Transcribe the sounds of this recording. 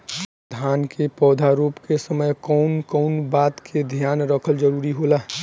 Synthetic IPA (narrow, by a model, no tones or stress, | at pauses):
d̪ʱaːnkʰepɔːd̪ʱaɾuːpkesəməjkɔʊnkɔnbaːt̪kʰed̪ʱjaːnɾəkʰəld͡ʒəɾuːɾiɦolaː